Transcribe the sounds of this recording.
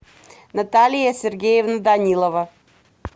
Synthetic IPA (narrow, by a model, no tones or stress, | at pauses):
nat̪alʲijasʲɛrɡʲejevnad̪anʲilˠova